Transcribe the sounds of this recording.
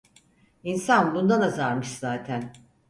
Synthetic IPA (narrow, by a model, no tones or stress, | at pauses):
insanbund̪anazaɾmɯʃz̥aːt̪ʰæn